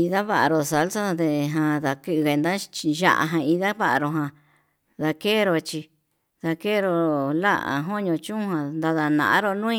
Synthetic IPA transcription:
i˧ða˦βa˦˨ʔa˨ɾo˨sa˧˦lsa˦d̪e˧ɦã˧ða˧kɨ˦˧ɣe˧nd̪a˦t͡ʃʒa̰˧ʔa̰˧ɦã˧i˧ða˦βa˦ʔa˧ɾo˧ɦã˨ | ða˧ke˦˨ɾo˧t͡ʃi˧ | ða˧ke˦˨ɾo˧la̰˦ʔa̰˨ɦo˦ɲõ˧t͡ʃũ˦ɦã˧nd̪a˧ða˧nã̰˨ʔã̰˦ɾo˦nũ˦ĩ˦

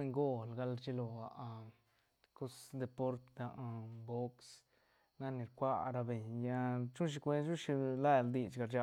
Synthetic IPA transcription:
e˧ŋɡo˦lɡa˧lt͡ʃi˧lo˨a˨ʔ | ko˦sd̪e˧po˦ɾt̪a˧ʔbo˦ks | na˦ni˨˧ɾkʷa˧ɾa˧be˨ɲja˦˧t͡ʃu˦nʃ̬i˧kʷe˧˦ʃu˦ʃi˧la˦˨ld̪i˧t͡ʃɡa˧ɾd͡ʒa˧

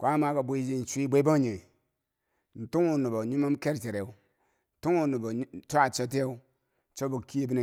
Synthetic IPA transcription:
kʷa˦ma˦ka˨bu˦d͡ʒi˦n̩˨t͡ʃʷi˦bʷe˦ba˦ɲi˨ | n̩˨tu˦ŋu˨nu˨bo˨ɲu˦ma˦mke˦ɾt͡ʃe˨ɾe˨u˨˦ | n˨tu˦ŋu˦˨nu˨bo˨˦ta˨t͡ʃo˦t̬i˦a˦u˦ | t͡ʃo˦bo˨ki˦e˦bi˦ne˨

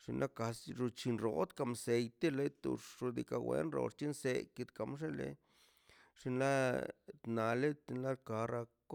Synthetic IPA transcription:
ʂi˧nlʔa˦ka˧sɾu˧t͡ʃi˧nɾo˧t̪ka˧mse˧jt̪e˦le˦t̪ṵ˧ʂɾu˧d̪i˧ka˧wḛ˧nɾo̰˧ʂt͡ʃi˦nse˧ki˧t̪ka˧mʂ̬e˦lḛ˧ | ʂi˧nla˦t̪na˨le˦t̪i˧nla˦lka˧ɾa˧k

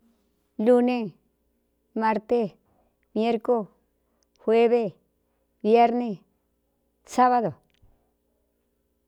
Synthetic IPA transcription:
lu˦˧nẽ˧ | mã˧ɾt̪e˦ | mje˦ɾko˦ | hwe˦βe˧ | βje˦ɾne˧ | sa˦βa˧ðo˨

